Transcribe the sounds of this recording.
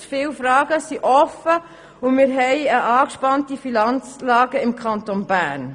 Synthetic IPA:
fɪwfɾɑːɡəsiʔɔfə | ʊmɪːɾɦɛɪəɑːkʃpɑntifinɑnt͡slɑːɡəɪmkʰɑntonbæːn

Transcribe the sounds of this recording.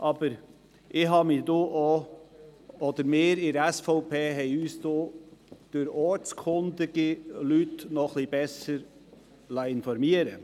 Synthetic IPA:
ʔɑb̥əɾ | ʔɪhɦɑːmɪd̥̪oːʔo | ɔd̪əɾmɪːɾɪɾɛsfɔʊpʰeːɦɛɪyːsd̥̪od̪̥ʊɾɔɾt͡skʰʊnd̪əɡ̥ilytnɔχlib̥ɛsəɾ | lɑɪnfɔɾmiəɾə

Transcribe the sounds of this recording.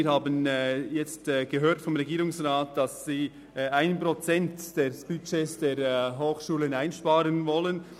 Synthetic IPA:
ɾhaːbənjɛt͡stːɡ̥əɦøːɾtfɔmʁeɡiːɾʊŋsraːt̚d̥asːiː | aɪnnpɾot͡sɛntd̥eːsb̥yt͡ʃeːsd̥eːɾɦoːxʃuːlənaɪnʃpaːɾənvɔlən

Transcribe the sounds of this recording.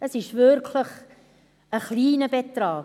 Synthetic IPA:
əsɪʃvʏɾkʰləχ | əχliːnəbɛt̪ɾɑː

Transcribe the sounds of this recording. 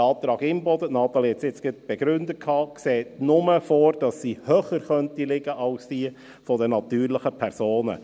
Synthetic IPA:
ɑːt̪ɾɑːɡɪmbɔdənɑːt̪ɑlihɛt͡sɪt͡sɡ̥ɪt̚b̥ɛɡ̥ɾʏndəkʰɑːkseːtnʊməfoːɾd̥ɑsːiːhøːχəɾχœntilɪɡəʔɑlsdiː | fɔdənɑt̪yːɾlɪχəpʰɛɾsoːnə̰

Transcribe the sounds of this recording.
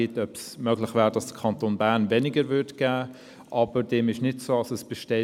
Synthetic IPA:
ɪtœpsmøɡlɪχvɛːʁəd̥ɑsd̥ə̥kʰɑntonbæːɐʁnvɛnɪɡəɾvʏtɡ̥æː | ʔɑbəɾd̥ɛmɪʃnɪtsoːɑsəsb̥ɛʃtɛ

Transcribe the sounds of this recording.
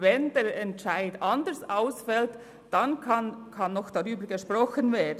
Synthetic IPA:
vɛndeːɾɛntt͡ʃaɪdɑndəɹsaʊsfɛlt | d̥ɑnkʰɑnkʰɑnːɔxd̥ɑʁyːbəɾɡeʃpɾɔxənveːɐd

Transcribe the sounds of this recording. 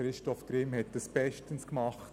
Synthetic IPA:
ɾɪʃtɔfɡ̥ɾɪmhɛt̚d̥əsb̥ɛʃtənskmɑχt

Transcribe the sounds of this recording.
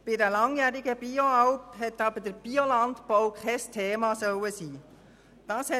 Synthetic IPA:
b̥ɪdəlɑŋjæːɾɪɡəb̥ioɑʊphɛtːɑbəd̥əɾb̥iolɑntpɔwkʰɛɪstʰeːmɑsœwəsiː | d̥ɑːshɛ

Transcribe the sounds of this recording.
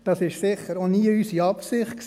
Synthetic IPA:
d̥ɑsɪʃsɪχːəɾoniːəysiɑpsɪχt̚ks

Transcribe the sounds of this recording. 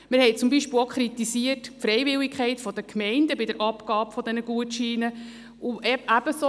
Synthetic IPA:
mɪɾhɛɪt͡sumbiʃpɪlokχɾit̪isiətfɾɛɪvɪlikχɛɪtfɔd̪əkʰmɛɪndəbɪdəɾʔɑpɡɑːpfɔd̪ɛnəɡ̥uətʃiːnə | ʔuʔɛæb̥əso

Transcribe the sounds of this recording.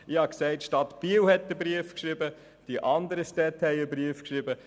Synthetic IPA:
ɪhɑksɛɪtʃtɑt̪piːwhɛt̚dəbɾiəfkʃɾɪbə | d̥iʔɑnd̪əɾəʃtɛthɛɪəbɾiəfkʃɾɪbə

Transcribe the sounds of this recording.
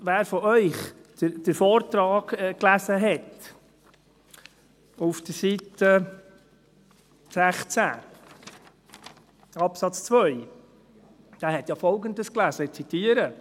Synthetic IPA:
ʋæːɾfɔʔœʏχ | d̥əd̥əɾfɔːɾt̪ɾɑːɡ̥ɛklæzəɦɛt̪ | ufd̥̪əɾsit̪ə | sæχt͡sæ̰ː | ɑpsɑt͡st͡sʋœʏ | d̥æːɾhɛt̪jɑfɔlɡənd̪əsklæsət͡sit̪iːəɾə

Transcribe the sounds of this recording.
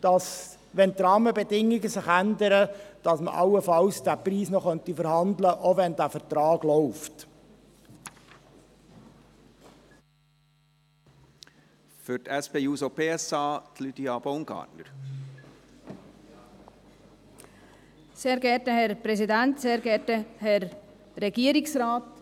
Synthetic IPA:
d̥ɑs | ʋɛnt̪ɾɑːməbɛdɪŋːɪɡəsɪχændəɾəd̥ɑsmə̰ʔɑwəfɑlsd̥æːpriːsnɔχœnt̪ifəɾhɑndləʔoʋɛndæːfəɾtɾɑːɡ̥lɔʊft | fytɛspeːjuːsopeːɛsɑːt̪ʰlyd̥̪iɑb̥oʊnɡ̥ɑ̰ːtnə̰ɾ | seːɾɡɛtəhɛɾpɾɛsidɛntseːɾɡɛtəhɛɾ | ɾɛɡiːɾɪksraːt

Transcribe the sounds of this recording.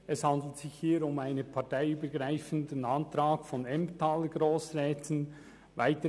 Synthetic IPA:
ɛshɑnd̪l̩tsɪçhiːɾʊmaɪnəpʰɑtaɪyːbəɡɾaɪfəndənɑntɾaːɡ̥fɔnɛmtɑːləɡɾoːsɾɛːtʰən | vaɪtə

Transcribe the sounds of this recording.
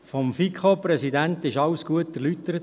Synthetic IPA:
fɔmfikχopɾɛsid̪ænt̪ɪʃɑwsɡ̥uətæɾlyt̪əɾət

